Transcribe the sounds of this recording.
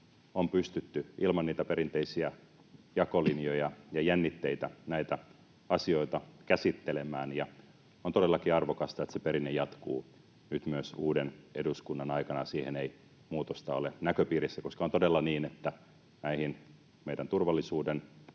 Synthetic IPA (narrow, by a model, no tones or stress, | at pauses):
ompyst̪yt̪ːyʔilmɑnniːt̪æpeɾint̪eisiæ | jɑkolinjojɑjɑjænːit̪ːeit̪ænæit̪æ | ɑsioit̪ɑkæsit̪ːelemˑæːnjɑ | ont̪odelːɑkiɑrʋokɑst̪ɑet̪sepeɾinːejɑt̪kṵː | nyt̪myøsuːdeneduskunːɑnɑikɑnɑsiːhenei | muːt̪ost̪ɑolenækøpiːrisːækoskɑont̪odelːɑniːnet̪ːæ | næihin | meidænt̪urʋɑlːisuːden